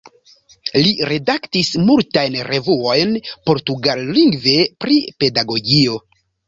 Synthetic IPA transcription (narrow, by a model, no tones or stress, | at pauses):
liɾe̞daktismultajnɾe̞vuo̞jnpo̞ɾtuɡalːiŋɡve̞pɾipe̞daɡo̞ɡio̞